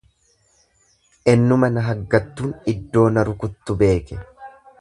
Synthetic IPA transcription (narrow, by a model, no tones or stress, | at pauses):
ʔɛnːʊmɐnɐɦɐɡːɐt̪ːuːnɪd̪ːo̞ːnɐɾʊkʊt̪ːʊbe̞ːkɛ